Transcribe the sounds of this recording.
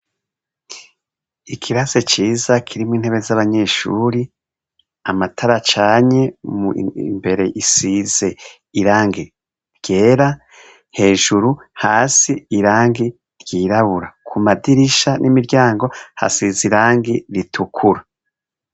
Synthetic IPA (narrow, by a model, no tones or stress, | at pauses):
ikʰiɾazet͡ʃiːzakʰiɾimwiːn̥he̞βe̞zaβaɲe̞ʃṵːɾi | amatʰaɾat͡ʃaːɲe̞muḭmbe̞ɾe̞ʔisize̞ | iɾaːŋɡi | ɾɡe̞ːɾa | he̞ːʒuɾuhaːsiːɾaːŋɡi | ɾɟiːɾaβuɾakʰumadiɾiʃanʔimiɾɟaːŋɡo̞ha̰siziɾaːŋɡiɾitʰukʰuɾa